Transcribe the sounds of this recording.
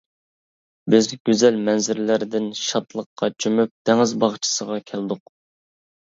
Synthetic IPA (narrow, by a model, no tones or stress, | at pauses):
bɪzɡʲøzɛlmɛnzɪɾlæɾd̪ɪnʃɑt̪lˠəqːɑt͡ʃʰymyp̚t̪ʰɛŋɪzbɑχt͡ʃʰi̥səʁɑkʲʰɛld̪ʊq